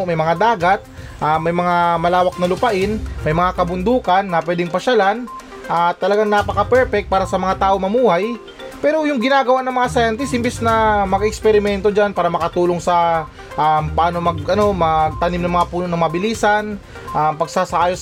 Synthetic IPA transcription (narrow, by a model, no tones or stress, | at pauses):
mɐjmɐŋad̪aːɡat̪̚ | ʔamɐjmɐŋamɐlaːwɐk̚nɐlʊpɐʔɪnmɐjmɐŋakɐbʊnd̪uːkɐnːɐp̬wɛːd̪ɪŋpɐʃalan | ʔat̪ːɐlɐɡaŋnapɐkɐpɛɹpɛk̚t̪̚paːɾɐsɐmɐŋat̪aːʔo̞ŋmɐmuːhaj | pɛːɾo̞jʊŋɡɪnaːɡɐwaʔnɐŋmɐŋasajant̪ɪsʔɪmbɛsnɐmɐɡɐʔɛkspɛɾɪmɛnt̪o̞d͡ʒanpaːɾɐmɐkɐt̪uːloŋsɐ | ʔampɐʔaːno̞mɐɡɐno̞mɐɡ̚t̪ɐnimnɐŋmɐŋapuːnonɐŋmɐbɪliːsɐn | ʔampɐɡsasɐʔaːjos